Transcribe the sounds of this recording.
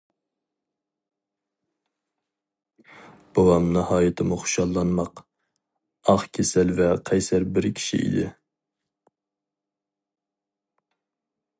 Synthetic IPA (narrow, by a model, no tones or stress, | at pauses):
b̥owɑmnɨhɑːjɨt̪ʰɨmuχʊ̥ʃɑlˠːɑnmɑq | ɑχkʲʰesælvɛqʰɑjsæɾbɪɾkʲʰi̥ʃḭʔḭd̪ɪ̰